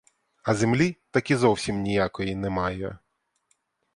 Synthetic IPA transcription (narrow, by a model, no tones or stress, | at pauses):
ɐzemlʲit̪ɐkʲizɔwsʲimnʲijakɔjinɛmɑjɛ̰